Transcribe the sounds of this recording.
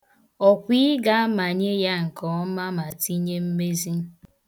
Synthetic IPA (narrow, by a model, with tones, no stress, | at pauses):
ɔ˨kʷi˦ɡa˦ma˨ɲe˦ja˦ŋ̩˨kɔ˨˦ma˦ma˨ti˦ɲe˦m̩˦me˦zi˦